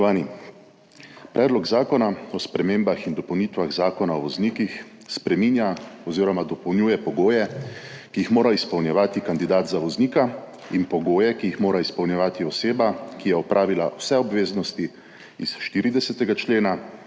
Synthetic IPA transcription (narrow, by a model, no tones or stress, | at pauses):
ɔʋaːni | pɾɛːd̪lɔkzaːkɔnaɔspɾɛmeːmbaxind̪ɔpɐwniːt̪ʋaɣzaːkɔnaɔʋɔznikix | spɾɛmiːnjaɔziːɾɔmad̪ɔpɔwnjuːjɛpɔɡoːjɛkiixmoːɾaispɔwnjɛʋaːt̪ikand̪id̪aːt̪zaʋɔzniːka | inpɔɡoːjɛkiixmoːɾaispɔwnjɛʋaːt̪iɔseːbakijɛɔpɾʔaːʋilawsɛɔbʋeːznɔst̪i | isʃt̪iɾid̪ɛsɛt̪ɛɡat͡ʃleːna